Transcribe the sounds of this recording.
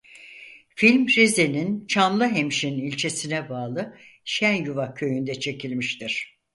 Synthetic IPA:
filʲmɾezenint͡ʃʰamlˠɯɦemʃinilʲt͡ʃʰe̞sinɛbaːlˠɯ | ʃænjuvacʰø̞jynd̪ɛt͡ʃʰe̞cʰilʲmiʃt̪ʰiɾ̥

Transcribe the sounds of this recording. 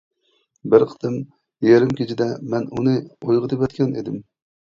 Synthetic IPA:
bɪɾqʰə̥t̪ɨm | jeɾɪmkʲet͡ʃʰid̪ɛmɛnunɨojʁɨt̪epɛt̪kʲʰɛned̪ɪm

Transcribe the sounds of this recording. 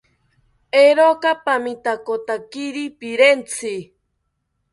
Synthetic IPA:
eɾokapamit̪akot̪akiɾipiɾent͡sʰi

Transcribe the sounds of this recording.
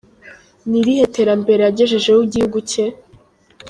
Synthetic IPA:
niɾihe̞teɾambe̞ɾejaɟe̞ʒe̞ʒe̞wuɟihuɡuce

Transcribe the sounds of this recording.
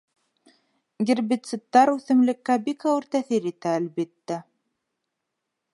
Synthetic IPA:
ɡʲiɾbit̪sɘ̆t̪ːɑɾʉθɘ̆mlɘ̆kːæbikɑwɘɾt̪æθiɾit̪æːlbit̪ːæ

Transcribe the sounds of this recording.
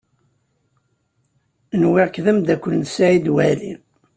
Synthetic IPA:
nwɪʁkðæmd̪ækʷːəlnsæʕid̪wælin

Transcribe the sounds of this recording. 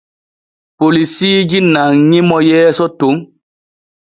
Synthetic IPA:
polisiːd͡ʒinaŋɲĩmɔjɛːsɔtoŋ

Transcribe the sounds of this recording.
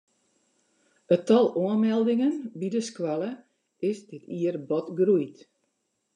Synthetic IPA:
ətɔlˠoənmɛlˠdɪŋənbidəskwalˠə | ɪsdɪtʰiərbɔtɡrujt

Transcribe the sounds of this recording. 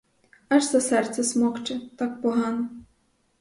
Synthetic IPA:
ɐʒzɐsɛrt̪sʲɐsmɔxt͡ʃɛt̪ɑk̚pɔɦɑnɔ

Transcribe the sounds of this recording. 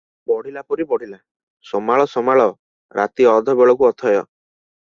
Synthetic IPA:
bɔɽ̤ilapɔɾibɔɽ̤ila | sɔmaɭɔsɔmaɭɔ | ɾa̰t̪iɔd̪ʱɔbeɭɔk̬uɔt̪ʰɔjɔ̰

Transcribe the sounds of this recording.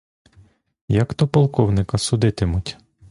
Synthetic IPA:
jɐkt̪ɔpɔlˠkɔwnɪkɐsʊd̪ɪt̪ɪmʊtʲ

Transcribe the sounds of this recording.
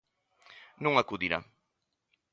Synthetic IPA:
nõŋɐkuðiɾa̰

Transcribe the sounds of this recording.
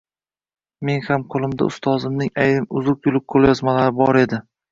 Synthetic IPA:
me̞nhamqʰolˠɪmd̪a̰ʊ̰st̪ʰɒzɪmnɪŋajɾɪmʊzʊq̚jʊlˠɪk̚qʰolˠjɒzmalaɾɪbɒɾe̞d̪ɪ

